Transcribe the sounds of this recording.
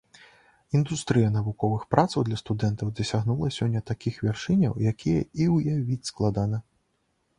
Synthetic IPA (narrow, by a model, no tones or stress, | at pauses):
ind̪ust̪ɾɨjɐnɐvukɔvɨxpɾat̪sɐwd̪lʲɐst̪ud̪ɛnt̪ɐwd̪ɐsʲaɣnulˠɐsʲɔnʲːɐt̪akʲixvʲarʂɨnʲɐ̰wjakʲʰijɐ̰iwjavʲit͡sʲsklˠad̪anɐ